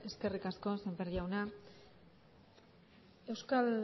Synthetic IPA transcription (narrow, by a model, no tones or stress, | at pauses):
e̞ske̞rikasko̞sembeɾʎawna | e̞wskal